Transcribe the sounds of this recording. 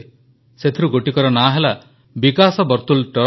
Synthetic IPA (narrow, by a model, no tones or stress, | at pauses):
set̪ʰiɾuɡoʈikɔɾɔnaɦela | bikasɔbɔɾt̪ulʈɔɾ